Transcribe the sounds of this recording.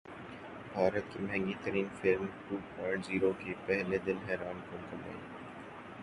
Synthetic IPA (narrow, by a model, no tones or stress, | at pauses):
bʱaːɾət̪̚kimɐɦɛ̃ŋɡit̪əɾiːnfɪlmʈuːpaːʈziːɾokepɛɦled̪ɪlɦɛːɾaːnkokɐma̰